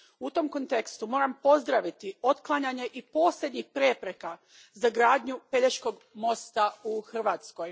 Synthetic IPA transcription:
ut̪o̞mko̞nt̪e̞kst̪umo̞ːɾampo̞zd̪ɾaʋit̪io̞t̪klˠaɲaɲe̞ʔipo̞ːslʲe̞d̪ɲixpɾepɾeka | zaɡɾaːd̪ɲupe̞ʎeʃko̞ɡ | mo̞st̪auxr̩ʋaːt̪sko̞j

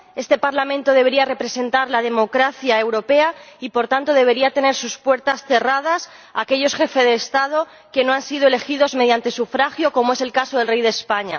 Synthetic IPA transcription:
e̞st̪e̞paɾlamẽnt̪o̞ð̞e̞β̞e̞ɾiare̞pɾe̞se̞nt̪aɾlað̞e̞mo̞kɾaθjae̞wɾo̞pe̞aipo̞ɾt̪ant̪o̞ð̞e̞β̞e̞ɾiat̪e̞ne̞ɾsuspwe̞ɾt̪asθe̞rað̞as | ake̞ʎo̞sxe̞fezðe̞ːst̪að̞o̞ | ke̞noansið̞oe̞le̞xiðo̞zme̞ðjant̪e̞sufɾaxjo̞ko̞moe̞se̞lkaso̞ðe̞lrejð̞e̞spaɲa̰

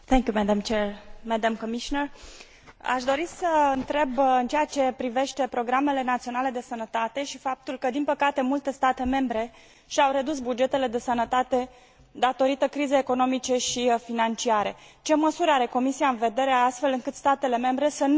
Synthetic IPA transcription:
θɛŋkʲjumɛd̪amt͡ʃermɛd̪amkomiʃinər | a̰ʃd̪o̞ɾisəɨnt̪ɾe̞bɨnt͡ʃejat͡ʃe̞pɾive̞ʃt̪e̞pɾo̞ɡɾame̞le̞nat̪sio̞nale̞d̪e̞sənət̪at̪e̞ʃifap̚t̪ulkəd̪inpəkat̪e̞mult̪e̞st̪at̪e̞me̞mbɾe̞ | ʃiawɾe̞d̪usbud͡ʒe̞t̪e̞le̞d̪e̞sənət̪at̪e̞ | d̪at̪o̞ɾit̪əkɾizeeko̞no̞mit͡ʃe̞ʃifinant͡ʃiaɾe̞t͡ʃe̞məsuɾaɾe̞ko̞misiaɨnve̞d̪e̞ɾeaast̪fe̞lɨŋkɨt̪st̪at̪e̞le̞me̞mbɾe̞sən

